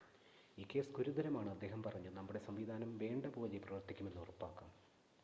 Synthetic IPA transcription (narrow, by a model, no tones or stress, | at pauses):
iːkːe̞ːsɡuɾud̪ɐɾɐmaːɳɨɐd̪ːe̞ːɦɐmpɐrɐɲːunɐmːuɽe̞sɐmʋid̪ʱaːnɐmʋe̞ːɳɖɐboːliprɐʋɐrt̪ʰːikʲːume̞nːurɐpːaːkːaːm